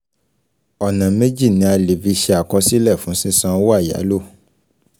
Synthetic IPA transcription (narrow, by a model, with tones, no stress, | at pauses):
ɔ˨nã˨me˦d͡ʒi˦˨nĩ˨˦a˧le˨vi˧ʃɛ˧a˨kɔ˧si˦lɛ˦˨fũ˨˦sĩ˦sã˧˦wo˦a˦˨ja̰˨˦lo˦˨